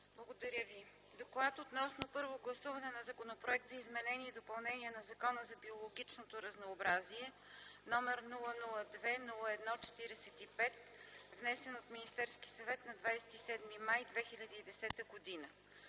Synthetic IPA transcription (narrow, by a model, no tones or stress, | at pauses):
blˠɐɡod̪ɐɾʲəvi | d̪oklˠat̪ot̪nɔsnopɤɾvoɡlˠɐsuvɐnɛnɐzɐkonopɾoɛk̚t̪zɐizmɛnɛniɛd̪opɐlˠnɛniɛnɐzɐkɔnəzɐbiolˠoɡʲit͡ʃnot̪oɾɐznoːbɾaziɛ | nɔmɛɾnulˠənulˠəd̪vɛnulˠəɛd̪nɔt͡ʃɛ̥t̪iɾɛsɛt̪ipɛt̪vnɛsɛnot̪minist̪ɛɾskisɐvɛt̪nɐd̪vajsɛ̥t̪isɛd̪mimajd̪vɛxilʲɐd̪iːd̪ɛsɛt̪əɡod̪inə